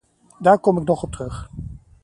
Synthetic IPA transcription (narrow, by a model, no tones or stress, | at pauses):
daːɹkɔmɪknɔχɔp̚trɵχ